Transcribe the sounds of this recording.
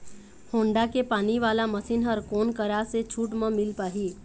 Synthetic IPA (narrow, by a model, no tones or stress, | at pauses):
hõːɳɖakepaːniʋaːlaməsiːnɦəɾkoːnkəɾaset͡ʃʰuːʈmə̃mɪlpaːɦiː